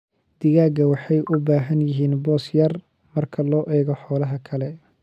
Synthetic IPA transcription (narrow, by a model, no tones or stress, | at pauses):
d̪̥ɪɣaːɡɐwɑħɑjʔʊbaːɦɐnjɪɦiːnbɔːsjɐr | mɐrkʰɐlɔːʔɛːɣɔħɔːlɐɦɐkʰɐlɛ